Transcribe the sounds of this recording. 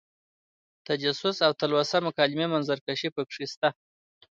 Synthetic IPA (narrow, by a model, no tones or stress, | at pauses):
t̪ad͡ʒasʊsawt̪alwasamʊkɑlɪmemanzaɾkaʃipəkʂist̪a